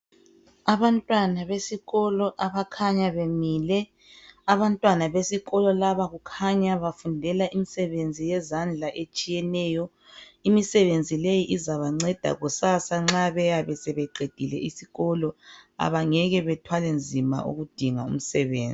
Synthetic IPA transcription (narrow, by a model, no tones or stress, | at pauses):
aβantʼwanaβesiɣɔlɔʔaβakʰaɲaβemiːlɛ | aβantʼwanaβesiɣɔlɔlaβaɣukʰaɲaβafundʱɛlaʔimisɛβend͡zʱijɛzand͡ɮʱaʔet͡ʃʼijɛnɛːjɔ | imisɛβend͡zʱilejiʔizaβaŋ͡ǀɛd̥ʱa̰ɣusasaŋ͡ǁaβɛjaβɛsɛβɛǃʱed̥ʱilɛisiɣɔlɔa̰βaŋɛɣɛβɛtʰwalɛnd͡zʱima̰ʔṵɣud̥ʱiŋaṵm̩sɛβḛːnd͡zʱi